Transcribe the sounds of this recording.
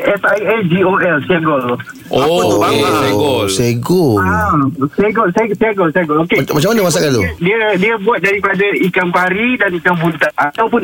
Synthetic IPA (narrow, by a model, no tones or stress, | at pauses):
ɛsajad͡ʒioɛlsiaŋɡɔlʔopat̪ubaɡɔsaɡɔasajɡɔsajɡsiaɡɔlsaɡɔlokemat͡ʃamːanəmas̬akant̪udiədiəbuat̪̚daɾipadaikampaɾidanikamɦunt̪aat̪awpʊn